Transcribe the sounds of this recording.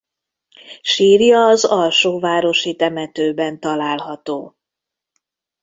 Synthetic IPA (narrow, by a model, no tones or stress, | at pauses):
ʃiːrjɒːzɒlʃoːvaːɾo̞ʃit̪ɛmɛt̪øːbɛnt̪ɒlaːlɦɒt̪oː